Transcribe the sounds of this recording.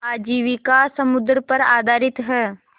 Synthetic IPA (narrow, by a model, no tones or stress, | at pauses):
aːd͡ʒiːʋikasɐmʊd̪ɾəpɐɾa̰ːd̪ʱaːɾɪt̪ɦɛː